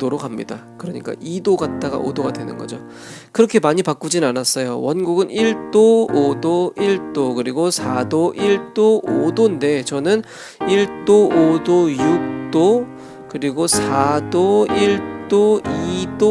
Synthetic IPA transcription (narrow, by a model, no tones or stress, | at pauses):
doɾokamɲḭdakɯɾʌɲḭk͈a̰ʔidoɡat̚t͈aɡa̰ʔo̰doɡadwe̞nɯ̰nɡʌ̰d͡ʑo | kɯɾʌkʰe̞maɲipak͈ud͡ʑinanas͈ʌjowʌnɡuɡɯniɭt͈oodoiɭt͈okɯɾiɡosʰadoʔiɭt͈oʔodonde̞t͡ɕʌnɯn | iɭt͈oʔodojuk̚t͈o | kɯɾiɡosʰadoiɭt͈oido